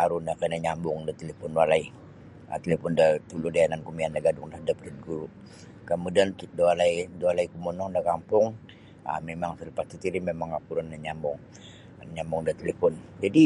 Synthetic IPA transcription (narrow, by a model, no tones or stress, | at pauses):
aɾundakanaɲambʊŋdat̪elepɔnwalai | a̰t̪əlepɔndat̪uludajanankumiandaɡadʊŋdahdaplɛt̪̚ɡuɾu | kamudant̪ut̪̚daalaidoalaikumɔnɔŋdakampʊŋ | a̰memaŋsilipast̪it̪iɾimemaŋapuɾandaɲambʊŋ | ɲambʊŋdat̪elepɔnd͡ʒadi